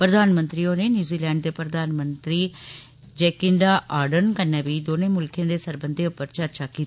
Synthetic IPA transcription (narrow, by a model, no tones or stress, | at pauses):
pɾəd̪aːnmə̃nt̪ɾiːõːneːnjuːziːlɛ̃ːɳɖ̚d̪eːpɾəd̪aːnmənt̪ɾiː | d͡ʒɛːkɪɳɖaːʔaːɾɖənkənɛːʋiːd̪oːnẽːmʊlkʰẽːd̪eːsəɾbənd̪eːʊpːəɾt͡ʃəɾt͡ʃʰaːkiː